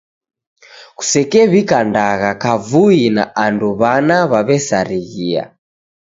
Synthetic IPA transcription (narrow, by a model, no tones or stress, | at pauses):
ku̥sɛkɛβikandaɣakavuina̰anduβanaβaβɛsaɾiɣia̰